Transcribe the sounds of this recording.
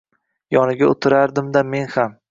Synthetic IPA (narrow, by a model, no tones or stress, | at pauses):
jɒnɪɡʲaot̪ʰɪɾaɾd̪ɪmd̪ame̞nham